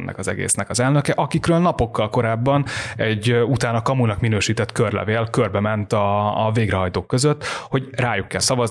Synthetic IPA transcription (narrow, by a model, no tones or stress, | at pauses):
nːʔɛ̰kɒzɛ̰ɡḛːsnɛkɒzɛlnøkɛʔɒkikrøːlnɒpo̞kːɒlko̞ɾaːbːɒnɛɟut̪aːnɒkɒmunɒkminøːʃiːt̪ɛt̪kørlɛ̰veːlkø̞rbɛmɛnt̪ɒveːɡɾɛɦɒjt̪oːkːø̞zøt̪ːho̞ɟraːjukːɛlsɒvɒz